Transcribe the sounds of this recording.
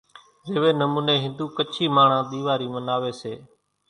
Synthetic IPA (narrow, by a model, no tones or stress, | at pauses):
zeːʋeːnəmuːneːɦɪ̃nd̪uːkət͡ʃʰiːmaːɳ̤ãːɗ̪iːʋaːɾiːmənaːʋeːseː